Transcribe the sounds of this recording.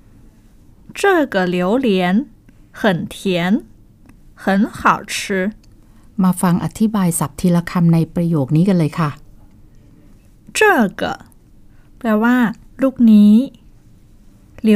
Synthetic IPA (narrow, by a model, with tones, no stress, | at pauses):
t͡ɕɤː˥˩kə˨˩li˨˩˦əwli˨˩˦ənhɤ˨˩nt̪ʰi˨˩˦ən | hɤ˨˩˦nxʰa˨˩wt͡ɕʰɯ˧˦˥ | maː˧fa˧ŋʔa̰˨˧t̪ʰi˦˥baː˧jsa˨˩p̚t̪ʰiː˧la˧kʰa˧mna˧jpɾa˧joː˨˩k̚niː˦˥ka˧nlɤː˧jkʰa˥˩ | t͡ɕɤː˥˩kɤ̰˨˩ | plɛː˧waː˥˩ | luː˥˩k̚niː˦˥ | li˨˩˦